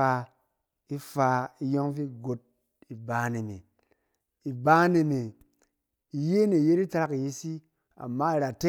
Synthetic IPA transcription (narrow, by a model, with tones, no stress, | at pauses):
a˧ | i˦fa˧i˧jɔ˦ŋvi˦ɡo˨t̚ | i˨ba˨˦ne˨mḛ˨ | i˨ba˦ne˨me˨ | i˨je˦ne˨je˦ɾi˦ta˦˧ɾa˦ki˨ji˧˦si˦ | a̰˨mːa˦i˨ɾa˨te˦